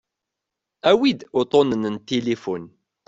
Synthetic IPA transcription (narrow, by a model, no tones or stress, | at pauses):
æwid̪ʊt̪ˤonənənt̪elifʊn